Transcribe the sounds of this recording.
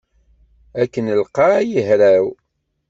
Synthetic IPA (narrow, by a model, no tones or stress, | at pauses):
ækːənəlqɑjəɦɾæw